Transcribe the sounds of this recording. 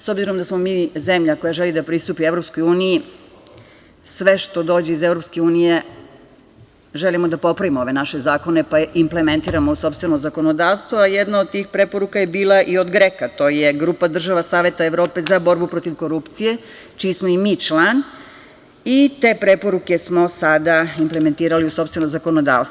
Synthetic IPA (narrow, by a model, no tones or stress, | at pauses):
so̞bziɾo̞md̪asmo̞miːze̞mʎako̞jaʒelid̪apɾist̪uːpievɾopsko̞juːniji | sʋe̞ʃt̪o̞d̪o̞ːd͡ʑeizevɾo̞pske̞uːnije̞ | ʒelimo̞d̪apo̞pɾaʋimoo̞ʋe̞naʃe̞zaːko̞ne̞paʔimple̞me̞nt̪iːɾamouso̞pst̪ʋeno̞zako̞no̞d̪aːʋst̪ʋoajed̪naod̪̚t̪iːxpɾe̞po̞ɾukajebiːlˠaʔio̞d̪ɡɾekat̪o̞ːje̞ɡɾuːpad̪r̩ʒaʋasaːʋje̞t̪aeʋɾo̞ːpe̞zabo̞ɾbupɾo̞t̪iʋko̞ɾupt̪sije̞ | t͡ʃiːsmoimiːt͡ʃlˠan | it̪e̞ːpɾe̞po̞ɾuke̞smo̞sad̪aimpleme̞nt̪iːɾaliuso̞pst̪ʋenomzako̞nod̪a̰ːʋst̪o